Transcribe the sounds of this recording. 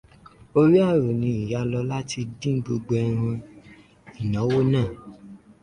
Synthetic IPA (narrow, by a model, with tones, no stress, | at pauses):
o˦ɾi˦a˦˨ɾo˨nĩ˧i˨ja˨˧˦lɔ˧la˦ti˧dĩ˦ɡ͡bo˧ɡ͡bo˧˦ɛ˧ɾ̃ã˧ | i˨nɔ̃˨˦wo˦nãː˦˨